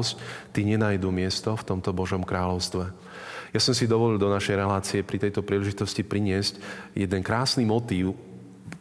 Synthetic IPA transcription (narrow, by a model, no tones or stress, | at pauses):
sct̪iɲɛnaːjd̪umɪɛst̪ɔft̪ɔmt̪ɔbɔʒɔmkɾaːlɔʊst̪ʋɛ | jasɔmsid̪ɔʋɔlild̪ɔnaʃɛjɾɛlaːt͡siɛpɾit̪ɛjt̪ɔpɾiːlɛʒit̪ɔscipɾiɲɪɛzcjɛd̪ɛnkɾaːsnimɔt̪iːʊ